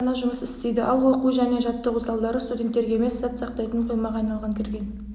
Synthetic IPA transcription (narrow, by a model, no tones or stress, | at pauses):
ɑnɑʒʊməsɪst̪e̞jd̪ɪʔɑlˠwo̞quʒæne̞ʒɑt̪ːəusɑlˠd̪ɑɾəst̪ud̪ʲent̪ːe̞ɾɡʲeeme̞sːɑt̪sɑqt̪ɑjt̪əɴqʰo̞jmɑʁɑjnɑlˠʁɑŋkʲʰɪɾɡʲe̞n